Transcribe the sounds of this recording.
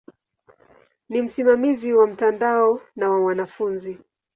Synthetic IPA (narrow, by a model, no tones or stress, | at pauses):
nim̩simamiziwam̩tandaɔnawawanafunzi